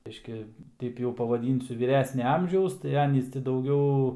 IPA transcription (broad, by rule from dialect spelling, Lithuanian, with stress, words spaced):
ˈbʲɪʃʲkʲɪ ˈtʲɛɪp jɛʊ pɐʋɐˈdʲiːnʲsʲʊ ʋʲiːˈrʲæːsʲnʲɛ ˈɐmʲʒʲɛʊs tɐɪ ˈɑːnʲiːs tʲɪ dɐʊˈɡʲɛʊ